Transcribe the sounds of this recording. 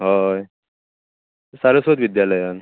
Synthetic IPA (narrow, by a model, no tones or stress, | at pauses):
ɦaj | saɾəsot̪ʋid̪jaləjan